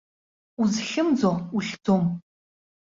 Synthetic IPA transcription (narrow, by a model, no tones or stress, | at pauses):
uzɬɨmd͡zouɬdʰoːm